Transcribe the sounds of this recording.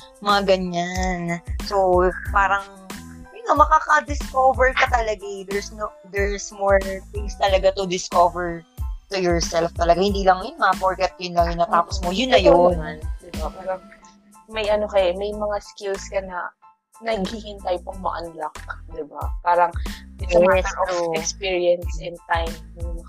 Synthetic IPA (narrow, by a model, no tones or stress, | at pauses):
mɐŋaɡɐɲanso̞paːɾɐŋ | jʊnɐmɐkaːkɐd̪ɪskovɛɹkɐt̪ɐlɐɡɪd̪ɛɹsno | d̪ɛɹsmoɹt̪ɪŋst̪ɐlɐɡat̪ʊd̪ɪskovɛɹt̪ʊjɔɹsɛlft̪ɐlɐɡahɪnd̪iːlɐŋjʊnmɐɐpoɹkɛt̪̚kɐjʊnlɐŋjʊnɐt̪aːposmojʊnːɐjonnd̪ɪbapaːɾɐŋ | mɐjʔɐnokɐɛmɐjmɐŋaskɪlskɐnɐ | nɐɡ̚hiŋɪnt̪aːjopʊŋmɐ̰ʔɐnlak̚d̪ɪba̰paːɾɐŋɪɡamaɛsʔoʊɛkspiɹijɛnsʔɪnt̪ajmnʊŋmɐ